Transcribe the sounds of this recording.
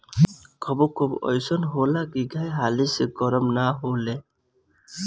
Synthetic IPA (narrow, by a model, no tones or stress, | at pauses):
kʰɔbokʰobɔ̰jsɔnɦolakiɡʱajɦaliseɡɔɾɔmnaɦole